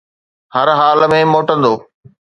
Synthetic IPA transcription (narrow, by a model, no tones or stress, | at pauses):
hɐɾɦaːlmẽmoːʈə̃nd̪oː